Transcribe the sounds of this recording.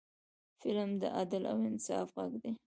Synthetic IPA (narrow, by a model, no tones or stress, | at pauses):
fɪlmd̪ə̰ʔad̪la̰wɪnɪ̥sɑːfɣaɡd̪e